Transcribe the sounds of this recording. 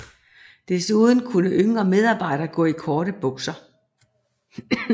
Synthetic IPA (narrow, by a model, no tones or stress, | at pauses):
d̥esuːðˠn̩kʰunəʔøŋɒmeð̞ˠɑ̈ːb̥ɑ̈ɪ̰ɾ̥ɐɡ̥ɔ̰̽ːikʰɒːɾəb̥ɔ̽ɡ̥sɐ